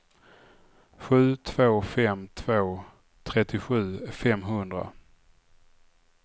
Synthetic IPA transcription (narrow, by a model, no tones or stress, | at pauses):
ɧʉ̟ːt̪ʰv̥oːfɛmt̪ʰv̥oː | t̪ʰɾɛt̪ːɪɧʉ̟ːfɛmɦɵnd̪ɾa̰